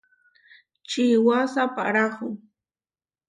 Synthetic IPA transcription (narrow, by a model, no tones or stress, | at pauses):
t͡ʃiwasapa̰ɾaχʊŋ